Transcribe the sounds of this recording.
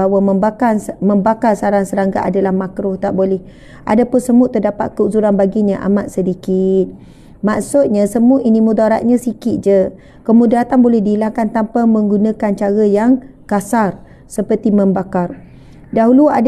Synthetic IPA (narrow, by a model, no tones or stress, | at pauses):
awaməakaməmbakarsaɾaŋsəɾaŋɡa̰ʔadalahmakɾʊht̪aʔbolɛh | ʔa̰dapʊnsəmʊʔt̪ərdapa̰t̪̚kəuzuɾanbaɡiɲaʔa̰mat̪̚sədikɪt̪̚ | maʔsʊt̪̚ɲasəmʊʔinimũd̪aɾat̪̚ɲasikɪt̪̚d͡ʒə | kəmudaat̪anbolɛhdiːlaŋkant̪ampamə̃ŋɡunakant͡ʃaɾajaŋ | kasar | səpərt̪iməmbakar | daɦuluad